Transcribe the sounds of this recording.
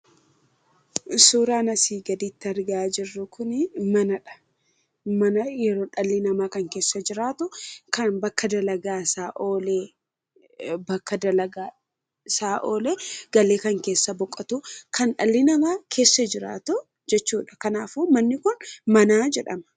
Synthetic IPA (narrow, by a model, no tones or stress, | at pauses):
suːɾaːnɐsiːɡɐd̪iːt̪ːɪɐɾɡaːd͡ʒɪrːʊkʰʊnɪmɐnɐᶑɐ̥ | mɐnɐjɛɾoːᶑɐlːɪnɐmaːkɐŋke̞ːsːɐd͡ʒɪɾaːt̪ʊkɐnbɐkːɐd̪ɐlɐɡaːsaːʔoːleː | bɐkːɐd̪ɐlɐɡaː | saːʔoːleːɡ̥ɐleːkɐŋke̞ːsːɐbɔkʼːɐt̪ʊkʰɐnᶑɐlːɪnɐmaːkʰe̞ːsːɐd͡ʒɪɾa̰ːt̪ʊ | d͡ʒɛt͡ʃːuːᶑɐ̥kɐnaːfumɐnːɪkʊnmɐnaːd͡ʒɛᶑɐmɐ̥